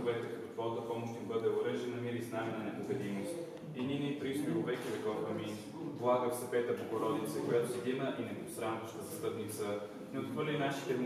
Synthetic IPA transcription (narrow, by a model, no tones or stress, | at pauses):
vɛk̪ɛt̪t̪ot̪vɔt̪əpɔmʊʃt̪ʲnbɤd̪ɛʊɾɛʒɛnɐmiɾisnaminɐnɛpʊxɛd̪imost̪ | ininit̪ɾispiɾovɛkizɐkɔɾpɐmin | vlˠaɡəfsɐpɛt̪əpokoɾɔd̪it̪sɛkojat̪oɛd̪inəʔinɛsɾanvəʃt̪əsɐst̪ət̪nit̪sə | nɛot̪xvəɾlʲinaʃit̪ɛn